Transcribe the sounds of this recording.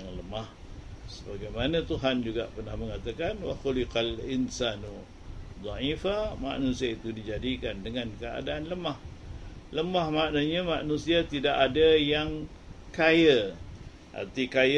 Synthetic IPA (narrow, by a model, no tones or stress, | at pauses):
ŋləmah | səbaɡajmanãt̪uɦand͡ʒuɡaʔpərnahməŋat̪akanwa̰xulɪqalinsanu | d̪ˤɑʕifama̰ʔnusiait̪udid͡ʒadikandəŋankəa̰daʔːnləmahləmahmaʔnaɲamaʔnũsiat̪idaʔadajaŋ | kajə | ʔa̰rt̪ikaj